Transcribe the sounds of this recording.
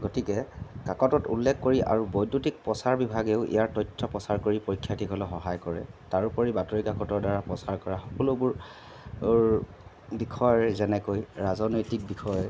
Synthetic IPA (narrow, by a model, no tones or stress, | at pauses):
ɡotikɛkakɔtɔtṵlːɛkʰkoɹiʔa̰ɹubojdutik̚pɔsaɹbibʱaɡeʊʔḭjaɹtɔjtʰːɔpɔsaɹkoɹipoɹikʰːjatikɔlɔxɔɦajkɔɹɛ̰taɹupɔɹibatɔɹikakɔtɔɹdaɹapɹɔsaɹkɔɹaxɔ̥kɔlʊbʊɹ | bikʰɔjɔzɛnɛkojɹazɔnojtik̚bikʰɔj